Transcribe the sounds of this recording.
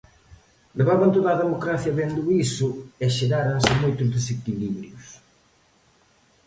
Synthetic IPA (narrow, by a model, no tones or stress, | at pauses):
leβaβant̪oðaðemokɾaθjɐβend̪ʊisʊeʃeɣaɾansɪmojt̪ʊzðesekiliβɾjʊs